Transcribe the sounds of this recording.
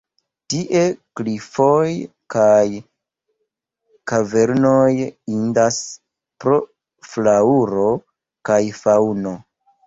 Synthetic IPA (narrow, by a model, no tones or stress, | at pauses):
tiʔe̞klifo̞j | kaj | kave̞ɾno̞jindas | pɾo̞ | flauɾo̞ | kajfawno̞